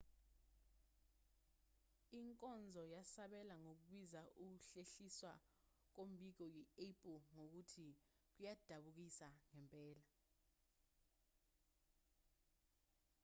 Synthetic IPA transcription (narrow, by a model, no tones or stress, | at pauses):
iŋkʼɔnd͡zʱɔjasaɓɛlaŋok̬uɓwizaʔuk̬uɬeɬiswa | k̬om̩ɓik̬ɔjiepʼŋok̬utʰi | k̬ujad̥ʱaɓuk̬isaŋɛmpʼɛːla